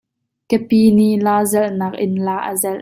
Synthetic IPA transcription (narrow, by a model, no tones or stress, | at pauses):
kəpiːniʔlaːzɛlʔnaːk̚ʔɪnlaːʔə̰zɛl